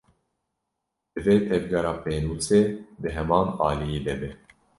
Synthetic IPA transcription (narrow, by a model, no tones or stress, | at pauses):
d̪̥ɨveːt̪ʰɛvɡɑɾɑːpʰeːnuːseːb̪ɨɦɛmɑːnɑːlijeːd̪ɛbɛ